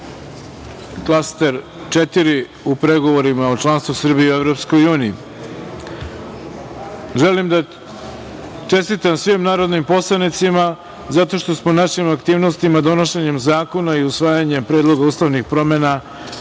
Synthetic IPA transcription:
klˠast̪e̞ɾ | t͡ʃe̞t̪iɾi | upɾe̞ɡo̞ʋo̞ɾimaot͡ʃlˠanst̪vusr̩bijiue̞vɾo̞psko̞juːnijḭ | ʒe̞limd̪a | t͡ʃe̞st̪it̪amsʋimnaːɾo̞d̪nimpo̞slˠanit̪sima | zat̪o̞ʃt̪o̞smonaʃimakt̪iːʋno̞st̪imad̪o̞no̞ʃe̞ɲe̞mzaːko̞naiusʋaːjaɲe̞mpɾeːd̪lˠo̞ɡauːst̪aʋnixpɾo̞me̞na

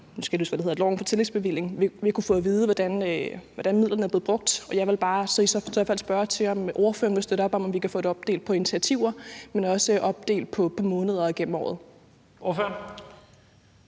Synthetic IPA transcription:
nusɡ̥æde̥uːsɡ̥ʋædeheð̰ˠd̥lɒʊenfɒ̽t͡sʰe̝le̥sb̥e̝ʋil̰e̝ŋ̩iʋikʰufɔ̽ːʋiːð̞ˠəʋɒd̥ænʋɒdænmiðˠlɐnəæble̝ð̩ˠb̥ʁɔ̽ɡ̥̚d̥ɒ̽jɑ̈ɪʋe̝lb̥ɑ̈ːsɒ̽isɒsfæl̰sb̥ɶɐt͡sʰe̝ɒ̽mʔo̝ɐføɐnʋelsd̥øɾɐɒ̽b̥ɒ̽mɒ̽mʋikæfɔ̰ːd̥ɾe̝ɒ̽b̥̚d̥e̝̰ːld̥̚pʰɒ̽e̝nit͡sʰiæt͡sʰiʊ̰ɐmenɒ̽səʔɒ̽b̥̚d̥e̝̰ːld̥̚pʰɒ̽pʰɒ̽mɔ̽ːnəð̞ˠɐɡ̥en̰m̩ɒ̰ːð̩ˠ | oføɐ

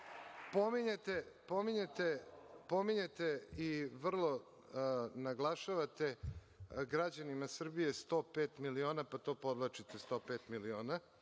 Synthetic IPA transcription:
pomiɲet̪epo̞miɲet̪epo̞miɲe̞t̪eiʋr̩lˠo̞ | naɡlˠaʃaʋat̪e̞ | ɡɾad͡ʑanimasr̩bije̞st̪o̞ːpeːt̪milio̞ːnapat̪o̞ːpo̞d̪lat͡ʃit̪est̪o̞ːpeːt̪milioːna

